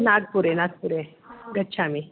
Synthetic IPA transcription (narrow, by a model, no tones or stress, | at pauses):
naɡ̚puɾenaɡpuɾeɡəɕʰami